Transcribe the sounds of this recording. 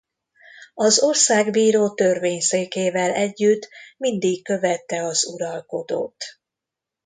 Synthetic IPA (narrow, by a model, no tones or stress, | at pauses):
ɒzo̞rsaːɡbiːɾoːt̪ørveːɲseːkeːvɛlɛɟːyt̪ːmind̪ikkø̞vɛt̪ːɛɒzuɾɒlko̞d̪o̰ːt̪